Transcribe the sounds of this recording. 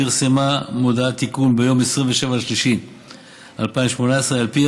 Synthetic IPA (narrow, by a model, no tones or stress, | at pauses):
iʁsemamod̪aat̪ikunbejo̞mesʁinveʃevalʃliʃim | ʔalpaimʃmo̞naesʁealpi